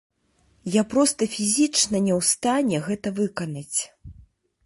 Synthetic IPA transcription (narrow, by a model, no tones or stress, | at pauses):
japɾɔst̪ɐfʲizʲit͡ʂnɐnʲɛwst̪anʲɛɣɛt̪ɐvɨkɐnɐt͡sʲ